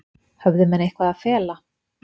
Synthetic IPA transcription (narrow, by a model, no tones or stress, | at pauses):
hɛvðʏmɛnːejhkvaðaðfɛːla